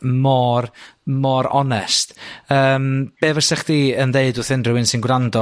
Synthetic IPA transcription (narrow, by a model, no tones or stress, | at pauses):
mɔrmɔɾɔ̰nɛstəːmb̥eːvəsɛχd̥iːənðeɨdʊθɪndrɪwɪnsɪnɡwrandɔ